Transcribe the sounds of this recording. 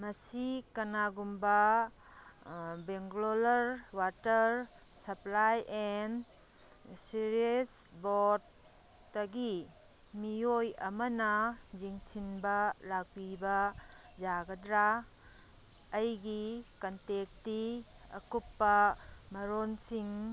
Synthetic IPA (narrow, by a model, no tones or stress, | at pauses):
mɐsikɐnaɡumbɐ | beŋɡlolɐɾwatɐɾ | sɐplajʔen | siɾiesbodː | ɐɡi | mijojɐ̰mɐnɐziŋsinbɐlak̚pibɐd͡ʒaɡɐdɾa | jɡikɐntek̚ti | ɐ̰kupːɐmɐɾonsiŋ